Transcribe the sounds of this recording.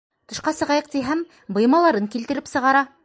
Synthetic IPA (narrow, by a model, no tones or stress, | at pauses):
t̪ɤ̆ʃqɑsɤ̆ʁɑjɤq̚t̪iɦæm | bɤ̆jmɑlˠɑɾɤŋkilt̪ɘ̆ɾɘpsɤ̆ʁɑɾɑ